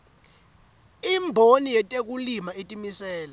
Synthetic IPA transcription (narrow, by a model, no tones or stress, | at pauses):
imbʱonijɛtʼek̬ulimaetʼimisɛːla